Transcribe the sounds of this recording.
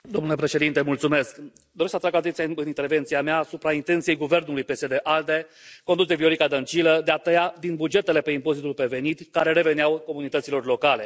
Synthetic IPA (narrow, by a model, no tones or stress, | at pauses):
d̪o̞mnule̞pɾe̞ʃe̞d̪int̪emult̪sume̞sk | d̪o̞ɾesat̪ɾaɡat̪ent̪sjaɨnint̪e̞rve̞nt̪siameaːsupɾaint̪ent̪sije̞jɡuve̞rnulujpe̞sed̪e̞ʔald̪e̞ko̞nd̪us̬d̪evio̞ɾikad̪ənt͡ʃiləd̪e̞at̪əjad̪inbud͡ʒe̞t̪e̞le̞pe̞impo̞zit̪ulpe̞ve̞nit̪kaɾe̞ɾe̞ve̞neawko̞munit̪ət̪silo̞rlo̞kale̞